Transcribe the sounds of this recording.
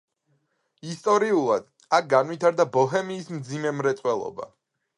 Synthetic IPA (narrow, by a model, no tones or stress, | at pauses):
ist̪ʼɔɾiulˠad̪̥ | ak̚ɡanwit̪ʰaɾd̪abɔɦɛmiːsmd̪zimɛmɾɛt̪sʼwɛlˠɔ̰ba̰